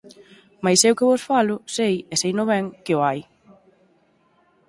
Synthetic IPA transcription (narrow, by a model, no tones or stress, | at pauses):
majsewkɪβʊsfalʊsejesejnʊβɛŋkɪʊaj